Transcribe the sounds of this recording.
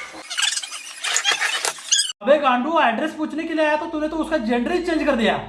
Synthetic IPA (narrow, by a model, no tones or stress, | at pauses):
əbeːɡãːɳɖũːɛːɖɾɛːsput͡ʃʰneːkɪliaːjaːt̪ãːt̪ʊnẽːt̪õːʊskaːd͡ʒeːɳɖəɾliːt͡ʃẽːɲd͡ʒkəɾd̪ɪja̰ː